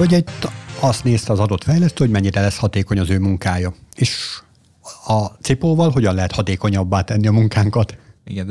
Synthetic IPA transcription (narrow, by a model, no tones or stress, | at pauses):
oɟɛit̪ːɒst̪neːst̪ɛɒzɒd̪o̞t̪fɛjlɛst̪øːhoɟmɛɲːiɾɛlɛshɒt̪eːko̞ɲɒzøːmuŋkaːjɒeːʃ | ɒt̪sipoːvɒlɦo̞ɟɒnlɛɦɛt̪hɒt̪eːko̞ɲɒbːaːt̪ɛnːiɒmuŋkaːŋkɒt̪ɡ